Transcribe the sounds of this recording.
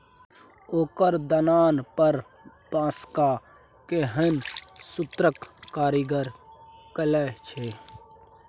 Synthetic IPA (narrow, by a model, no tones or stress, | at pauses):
oːkəɾd̪ənaːnpəɾ | bãːska | keɦənsʊt̪ɾəkkaːɾiɡəɾkələt͡ʃʰeː